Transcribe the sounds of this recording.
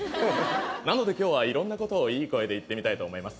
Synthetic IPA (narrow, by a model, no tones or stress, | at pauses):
nano̞d̪e̞kʲo̞ːβaiɾõ̞nːako̞t̪o̞ːiːko̞e̞d̪e̞it̪ːe̞mʲit̪ait̪o̞ːmo̞imasɨ̥